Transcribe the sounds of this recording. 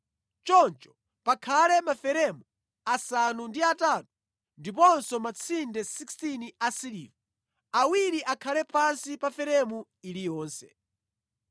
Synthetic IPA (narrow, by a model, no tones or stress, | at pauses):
t͡ʃɔnt͡ʃɔ̥ | pakʰalɛmafɛɾɛmu | asanundiatatu̥ | ndipɔnsɔmat͡sʰindɛsikstiniasilḭːvɔ | awiɾiʔakʰalɛpansipafɛɾɛmu | ilijɔːnsɛ̰